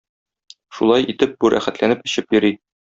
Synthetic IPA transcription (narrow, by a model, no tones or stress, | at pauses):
ʃṵlˠɑjʔit̪ɘp̚buɾʔæ̰χæt̪lænɘpɘ̆ɕɘpjɵ̆ɾi